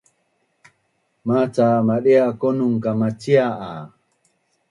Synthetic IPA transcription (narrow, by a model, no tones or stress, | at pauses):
mat͡samaɗeakonuŋkamat͡siaʔa